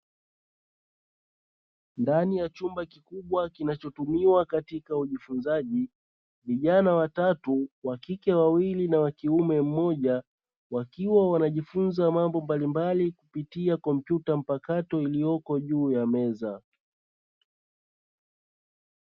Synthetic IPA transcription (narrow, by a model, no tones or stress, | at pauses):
ndanijat͡ʃumbakikuɓwakinat͡ʃɔtumiwakatikauʄifunzaʄi | viʄanawatatuwakikɛwawilinawakiumɛm̩mɔʄa | wakiwawanaʄifunzamambɔmbalimbalikupitiakɔm̩pjutam̩pakatɔilijɔkɔʄuːjamɛza